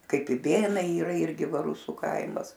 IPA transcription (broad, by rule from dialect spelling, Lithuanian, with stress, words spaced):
ˈkɐɪp ɪˈbʲeːnɐɪ iːˈrɐ ˈɪrʲɡʲɪ ˈʋɐ ˈrʊsʊ ˈkɐɪmɐs